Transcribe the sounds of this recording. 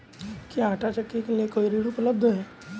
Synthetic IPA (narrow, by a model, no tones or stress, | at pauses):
kiãːʈat͡ʃɐkːikeliekoːiɾiɽʊpələb̚d̪ʱəɦɛː